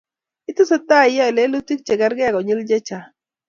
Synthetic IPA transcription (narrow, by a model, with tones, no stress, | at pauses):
ɪ˦t̪ʊ˦sɔ˦t̪a˦˨ja˦˨le˦lʊ˦t̪i˦k̚t͡ʃe˨ɡa˦ɾɡɛ˦a˨ɡɔ˨ɲɪ˦ld͡ʒe˦t͡ʃa˨